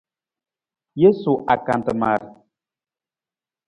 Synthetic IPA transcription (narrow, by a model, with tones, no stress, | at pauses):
je˦su˨ʔa˨ka˨ntə˨ma̰˨ɾ